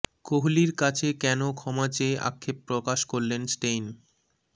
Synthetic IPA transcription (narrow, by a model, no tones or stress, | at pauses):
koɦuliɾkat͡ɕʰekɛnokʰɔmat͡ɕeʔa̰kʰːepːɾokaʃkoɾlensʈejn